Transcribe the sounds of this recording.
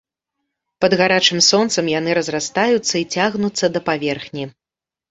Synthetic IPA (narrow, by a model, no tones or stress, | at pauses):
pɐd̪ɣaɾat͡ʂɨmsɔnt̪sɐmjanɨɾɐzrast̪ajut̪sːɐit͡sʲaɣnut̪sːɐd̪ɐpavʲɛrxnʲi